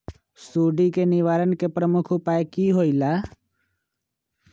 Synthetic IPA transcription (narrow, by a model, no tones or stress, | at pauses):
suːɖikenɪʋaːɾənkepɾəmʊkʰʊpaːekiːɦoːilaː